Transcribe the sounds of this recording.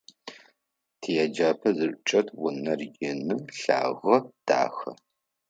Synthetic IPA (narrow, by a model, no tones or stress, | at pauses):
tʰijad͡ʒaːpʰɐzɨɕʷʼt͡ʃʼɐtʰwʊnɐrɡʲɪnɨmɬa̰ːʁɐd̥a̰ːxɐ̰